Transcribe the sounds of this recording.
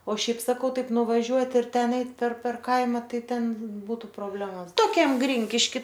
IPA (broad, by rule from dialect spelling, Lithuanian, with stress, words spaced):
oː ˈʃʲɛɪp sɐˈkɐʊ ˈtɐɪp nʊʋɐˈʒʲuɔtʲ ɪr ˈtʲɛn ˈɛɪt pʲɛr pʲɛr ˈkɐɪmɐ ˈtɐɪ ˈtʲɛn ˈbuːtʊ proːˈbʲlʲæːmoːs toːˈkʲɛm ˈɡrʲɪŋʲkʲɪʃʲkʲɪ